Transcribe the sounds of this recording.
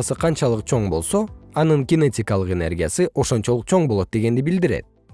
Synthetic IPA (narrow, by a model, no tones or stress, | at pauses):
sɯqʰɑnt͡ʃɑlˠɯq̚t͡ʃʰo̞ɴbo̞lˠso̞ɑnɯŋɡʲɪnetʲikɑlˠɯqe̞ne̞̰rɡʲijasɯʔo̞ʃo̞nt͡ʃo̞lˠɯqt͡ʃʰo̞ɴbolˠo̞t̪̚d̪e̞ɡe̞nd̪ibild̪iɾḛt̪̚